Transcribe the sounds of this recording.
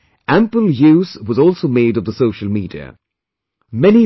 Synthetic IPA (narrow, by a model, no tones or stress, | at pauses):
ʔæ̃mpəl̩ˠjʉːzwʌzɔˑlˠsoʊmeɪɾʌvðəsoʊʃəl̩ˠmiːdiə̰ | mɛni